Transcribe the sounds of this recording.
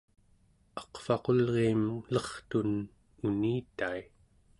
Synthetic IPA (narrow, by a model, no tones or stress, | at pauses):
ɑ̥qfɑqo̞lʁeːmlʌχt̪un | uniːt̪ai